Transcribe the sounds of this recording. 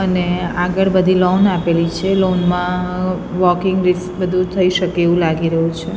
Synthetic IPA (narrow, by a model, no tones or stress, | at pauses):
əneaɡəɭbəd̪ʱilɔnapelit͡ʃʰelonmã | ʋɔkɪŋɡɾɪsbəd̪ʱũt̪ʰəiʃəkeːʋũlaɡiɾəɦũt͡ʃʰe